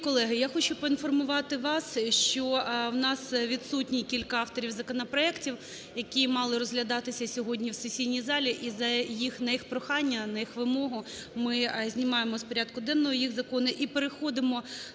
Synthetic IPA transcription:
kɔlˠɛɦɪjaxɔt͡ʃʊpɔinfɔrmʊʋɑt̪ɪʋɑsʃt͡ʃɔwnɑsʋʲid̪sutʲnʲikʲilʲkɐɑft̪ɔɾʲiwzɐkɔnɐpɾɔɛktʲiw | jɐkʲimɑlˠɪɾɔzɦlʲɐd̪ɑt̪ɪsʲɐsʲɔɦɔdʲnʲiwsesʲijnʲijzɑlʲiʔizɐjixnɐjixpɾɔxɑnʲːɐnɐjixʋɪmɔɦʊmɪzʲnʲimɑjemɔspɔɾʲaɑd̪̚kʊd̪ɛnːɔɦɔjixzɐkɔnʊʔipeɾexɔd̪ɪmɔ

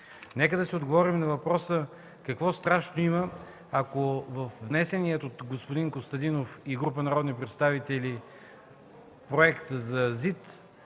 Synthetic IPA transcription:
nɛkəd̪ɐsiod̪ɡovɔɾimnɐvɐpɾɔsə | kɐkvɔst̪ɾaʃnoimə | akovɐfvnɛsɛniɛt̪ot̪ɡospʊd̪iŋkost̪ɐd̪inofiɡɾup̬ənɐɾɔd̪nipɾɛt̪st̪avit̪ɛli | pɾoɛkt̪əzɐzit̪

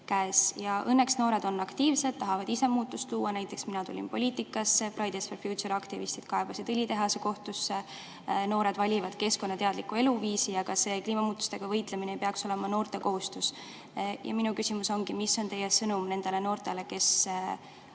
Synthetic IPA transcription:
kæesjɑʔɤnːe̞ksno̞ːɾe̞d̪o̞nːɑkt̪iːvsed̪̥̚t̪ːɑɦɑvɑd̪ise̞muːt̪ːˑust̪luːɑnæjt̪ːˑe̞ksminɑt̪ulʲḭnpo̞lʲiːt̪ˑikːˑɑsːeprɑjd̪esferfjut̪soɾɑkt̪ivist̪id̥̪̚kɑebɑsid̪ɯlʲit̪e̞ɦɑseko̞ht̪usːe | no̞ːɾe̞d̪vɑlʲivɑd̪̥ke̞sko̞nːɑt̪e̞ɑd̪likːue̞luviːsijɑɡ̥ɑse̞ːkliːmɑmuːt̪ːˑu̥st̪e̞ɡ̥ɑvɤjt̪leminejpeɑkso̞le̞mɑno̞ːrt̪e̞ko̞ɦust̪us | jʔɑ̰minukysimuso̞ŋɡimisːo̞nt̪e̞jesɤnumne̞nd̪e̞le̞no̞ːrt̪e̞le̞ke̞s

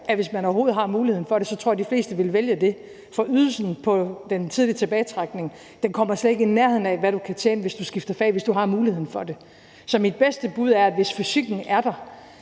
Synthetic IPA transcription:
ʔæʋe̝smænɒʊɐɦo̝ːð̩ˠɦɑ̈muːlihḛn̩fɒ̽ɾe̝sɒ̽t͡sʰʁoɐ̰ɐdifle̝̰ːsd̥əʋe̝lʋeljəd̥e̝ | fɒ̽ʔyðˠl̩sn̩pʰɒ̽d̥ent͡sʰið̞ˠliət͡sʰe̝b̥ɛːɪt͡sʰʁɑ̈ɡ̥ne̝ŋ | d̥enkʰɒ̽m̰ɐsled̥e̝ɡ̥inːeɐɦeð̰ˠn̩æʋæɾ̥ukʰæt͡ɕʰeːnəʋe̝sd̥usɡ̥ifd̥ɐfɛ̰ːʋe̝sd̥uɦɑ̈muːlihe̝ð̰ˠn̩fɒ̽d̥e̝ | sɒ̽mid̥̚b̥esd̥əb̥uð̞̰ˠæɐæd̥ʋe̝sfysiɡ̥n̩æɐd̥ɑ̈

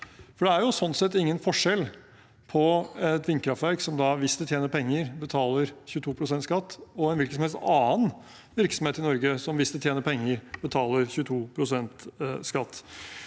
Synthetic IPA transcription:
fɔɖɛæɾjʊsɔnt̪sɛt̪ːɪŋːənfɔʂɛlː | pʰɔɛt̪ʋɪŋkʰɾɑft̪ʋæɾksɔmd̪ɑʋɪst̪əlt̪ʰjeːnəɾpɛŋːəɾbət̪ʰɑːləɾçʉːət̪ʰuːpʰɾʊsɛnt̪skɑt̪ːɔɛnʋɪlkənsɔmhɛlst̪ɑːən | ʋɪɾksɔm̩eːt̪ɪnɔɾɡəsɔmʋɪst̪ət̪jeːnəɾpʰɛŋːəɾb̥ət̪ʰɑːləɾçʉːət̪ʰuːpʰɾʊsɛnt̪skɑt̪ː

